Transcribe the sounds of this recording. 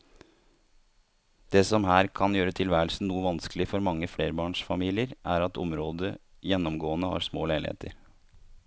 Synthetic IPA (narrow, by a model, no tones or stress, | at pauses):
d̪̥eːsɔmɦæːɾkʰɑnjøːɾət̪ʰɪlʋæːɾlsn̩nuːəʋɑnskəlɪfɔɾmɑŋːəfleːɾəbɑːɳʂfɑmiːlɪəɾʔæːɾɑt̪ɔ̰mɾoːd̪ə | jɛnːɔmɡoːənəhɑ̰ːɾsmoːlæɪlhḛːt̪ʰə̰ɾ